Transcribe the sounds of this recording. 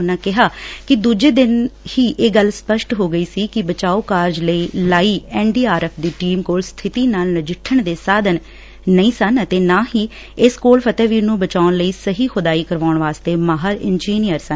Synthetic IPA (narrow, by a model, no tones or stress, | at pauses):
nːaːkɪɦaːkɪd̪uːd͡ʒeːd̪ɪnhiːʔeːɡəlspəʃʈɦoːɡəiːsiːkɪbət͡ʃaːoːkaːɾd͡ʒləiːlaːiːɛːɳɖiːaːɾɛːpʰd̪iːʈiːmkoːlst̪ʰɪt̪iːnaːlnəd͡ʒɪʈʰːəɳd̪eːsaːd̪ənː | əĩːsənt̪eːnãːhiː | ɪskoːlpʰət̪ɛːʋiːnũːbət͡ʃaːʊnləiːsəɦiːkʊd̪aːiːkəɾʋaːʊɳʋaːst̪eːmaːɦəɾɪnd͡ʒiːnijəɾsən